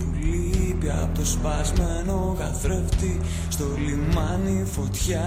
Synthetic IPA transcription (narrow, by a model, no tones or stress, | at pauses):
pulipiɐ̰pot̪ospɐzmeno̞ɣɐθɾeft̪i | st̪o̞limɐnifo̞t̪çɐ